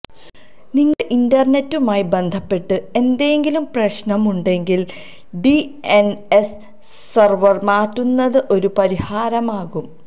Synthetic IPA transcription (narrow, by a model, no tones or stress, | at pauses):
niŋːɐɭʔindɐrne̞tːumaːjbend̪ʱɐpːe̞ʈːɨe̞nd̪eŋɡilumprɐɕnɐmuɳɖe̞ŋɡil | ɖienes | sɐrʋɐrmaːtːunːɐðɨʔo̞ɾupɐɾihaːɾɐmaːɣum